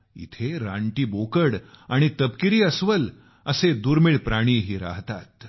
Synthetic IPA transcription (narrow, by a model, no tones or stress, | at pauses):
ḭt̪ʰeɾa̰ɳʈiːbokəɽaɽ̃it̪əpkiɾiːəsʋəl | əsed̪uːɾmiːɭpɾaɽ̃iːɦiːɾa̰ɦt̪at̪